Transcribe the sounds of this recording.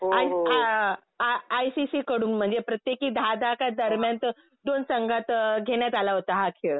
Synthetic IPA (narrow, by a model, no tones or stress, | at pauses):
oajɦa | aːjsisiːkəɽuːnm̤əɳd͡zepɾət̪jekiːd̪ʱad̪akad̪əɾmjant̪ | d̪onsəŋɡat̪ɡʱeɳjat̪alaɦot̪aɦakʰeɭ